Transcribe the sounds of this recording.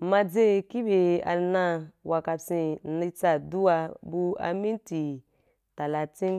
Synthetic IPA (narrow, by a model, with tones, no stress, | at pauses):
ma˧d͡ze˦ki˦be˧a̰˧na˧wa˧ka˧si˧˨˦ni˧t͡sa˨du˦wa˧bu˧a̰˧mi˦nti˨ | ta˨la˧t͡sĩ˦n